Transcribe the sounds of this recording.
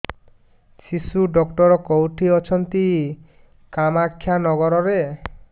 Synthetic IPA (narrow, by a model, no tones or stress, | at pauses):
sisuɖɔkʈɔɾɔkowʈʰiɔt͡ʃʰɔnt̪i | kamakʰːjanɔɡɔɾɔɾe